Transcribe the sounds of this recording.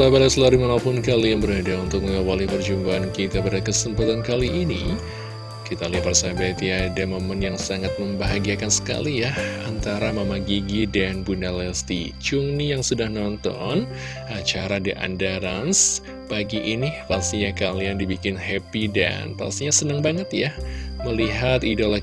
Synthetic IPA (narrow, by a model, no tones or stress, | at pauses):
abalasəlaɾimaŋapʊnkalianbəɾadaunt̪ʊk̚məŋɡawalɪhbərd͡ʒumbaːnkit̪apadakəsəmpat̪ankaliʔːnḭ | kit̪aliaparsabat̪iadamomənjaŋsaŋat̪̚məmbaɦaɡiakansə̥ka̰lijaha̰nt̪aɾamamaɡiɡidanbunalɛst̪ḭt͡ʃʊŋnijaŋsudahnɔnt̪ɔ̰n | at͡ʃaɾadiʔa̰ndaɾans | paɡiʔinipast̪iɲakaliandibikɪnhɛpida̰npa̰st̪iɲasənəŋbaŋət̪jahməliɦat̪idolo